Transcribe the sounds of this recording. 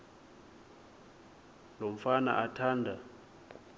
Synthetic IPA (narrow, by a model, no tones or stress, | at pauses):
lom̩fana̰ʔatʰaːndʱa